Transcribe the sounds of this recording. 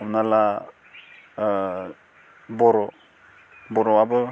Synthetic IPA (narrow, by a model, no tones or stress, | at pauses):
ɔmnala | bɔɾɔ | bɔɾɔabɯ